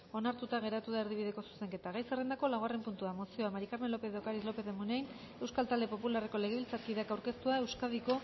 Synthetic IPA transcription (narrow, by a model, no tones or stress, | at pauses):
o̞naɾt̪ut̪aɣ̞e̞ɾat̪uðae̞ɾð̞iβ̞iðe̞ko̞su̥se̞ŋke̞t̪aɣajsere̞nako̞laɣare̞mpunt̪uamo̞sio̞amaɾikaɾme̞nlo̞pe̞ðokaɾizlo̞pe̞ðemunejn | e̞wskalt̪ald̪e̞po̞pulare̞ko̞le̞ɣ̞e̞βilt͡saɾkiðe̞akawɾke̞st̪uae̞wskaðiko̞